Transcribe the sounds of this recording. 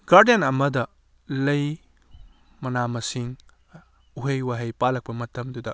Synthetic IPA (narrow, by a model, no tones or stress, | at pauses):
ɡ̥aɾdjenɐmɐdɐ | lɐj | mɐnamɐsiŋ | uɦejwaɦɐjpalɐk̚pɐmɐtːɐmdudɐ